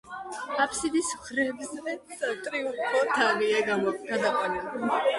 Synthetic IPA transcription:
apʰsid̪ismχɾɛbzɛt̪ʼɾiupʼɾɔt̪ʰaviɛɡaɡ̥ad̪aqʼanɛb

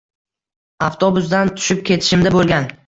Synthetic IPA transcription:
aft̪ʰobʊsd̪ant̪ʰʊ̥ʃɪp̚kʲʰe̞t̪ʰɪ̥ʃɪmd̪abolˠɡʲan

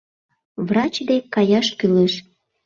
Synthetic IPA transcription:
vrɑt͡ɕd̪ekɑjɑʃkyleʃ

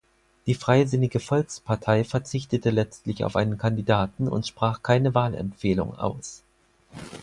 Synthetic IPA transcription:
d̥iːfʁ̥aɪzɪnɪɡəfɔlkspʰaɐtʰaɪfɛɐt͡sɪçtətəlɛt͡stlɪça̰ʊfʔaɪnənkʰandidaːtn̩ʊ̰ntʃpʁ̥aːχkʰaɪnəvaːlɛ̰mfeːlʊ̰ŋʔa̰ʊs

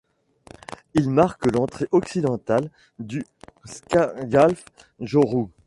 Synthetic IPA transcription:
ilmaʁkəlɑ̃t̪χeʔɔksid̪ɑ̃t̪al | d̪yskɡalf | ʒɔʁu

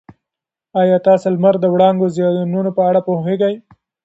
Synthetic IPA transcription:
ɑjɑt̪ɑsolmaɾd̪əwɽɑŋɡozjɑnunopəaɽapoheɡaj

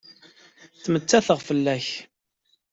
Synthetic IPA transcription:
θmət͡sːæθəʁfəlːæç

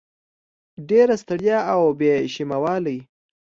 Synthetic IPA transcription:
ɖeɾast̪aɽjɑawbeʃimawɑlaj

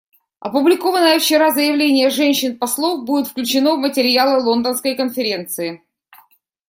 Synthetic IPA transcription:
ɐ̰pʊblʲɪko̞vənːəjəft͡ɕɪɾazəjɪvlʲenʲɪjəʐɛnʲɕːɪnpɐslˠofbudʲɪt̪fklʲʉt͡ɕɪnovmətʲɪɾʲjalˠəlˠo̞nd̪ənskəjkənfʲɪɾʲe̞nt̪sɨɪ

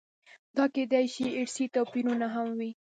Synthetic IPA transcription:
d̪ɑked̪ajʃiɪɽsit̪opiɾunaɦamwi

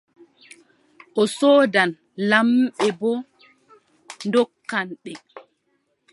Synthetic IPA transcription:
ʔɔsɔːdan | lamɓɛbɔ | ndɔkːanɓɛ

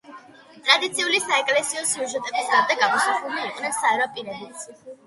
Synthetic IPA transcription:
t̪ʼɾad̪it̪sʰiulisaɛkʼlɛsiɔsjuʒɛt̪ʼɛbisaɾd̪ɛɡamɔsuχumiiqʼnɛnsaɛɾɔpʼiɾɛlit̪sʰ

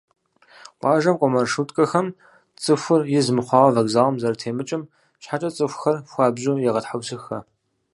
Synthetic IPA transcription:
qʷɑːʒɐmqʷʼɔmɐrʂutʼkʼɐxɐm | t͡sʼɨfʷʊrjɪzmɨχʷɑːʁɐvɐɡzaːʁɐmzɐɾtʰeːmɨt͡ʃʼɪm | ɕħat͡ʃʼɐt͡sʼɨxʷxɐrxʷɑːbʑʼujɛʁɐtħawsɨxɐ

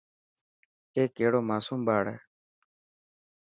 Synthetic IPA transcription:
keːkeːɽoːmaːsuːmbaːɽḛː

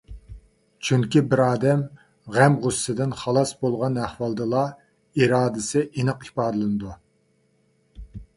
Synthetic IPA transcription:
t͡ʃʰyŋkʲibɪɾɑːd̪ɛm | ʁæmʁʊsːɨd̪ɪnχɑlˠɑsbolˠʁɑnæχwɑlˠd̪ɨlˠɑ | iɾɑːd̪ɨsɪʔinɨqipɑːd̪ɨlˠɨnɨd̪u

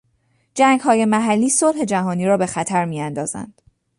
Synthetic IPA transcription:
d͡ʒæːŋɡhɒːje̞mæɦælːiːsolhe̞d͡ʒæɦɒːniːɾɒːbe̞xæt̪ʰæɾmiːænd̪ɒ̰ːz̥æ̰nd̪̥

